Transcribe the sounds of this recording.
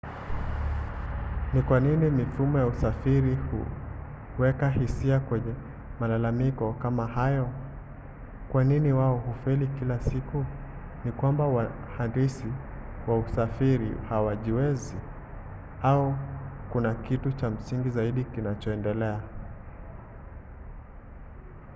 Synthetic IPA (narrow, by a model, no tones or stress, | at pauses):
nikwaninimifumɔjausafiɾihṵ | wɛkahisiakwɛɲɛ | malalamikɔkamahajɔ | kwaniniwaɔhufɛlikilasiku | nikwambawa | handisi | wausafiɾḭhawaʄiwɛzi | aukunakitut͡ʃam̩siŋɡizaiɗikinat͡ʃɔɛndɛlɛa